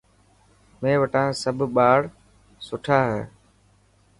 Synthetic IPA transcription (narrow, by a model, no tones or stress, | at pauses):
mẽːʋəʈãːsəbʱɓaːɽ | sʊʈʰaːɦɛː